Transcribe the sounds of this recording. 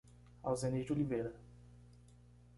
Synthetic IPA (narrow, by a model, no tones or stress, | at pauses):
a̰wzẽnid͡ʒolivejɾɐ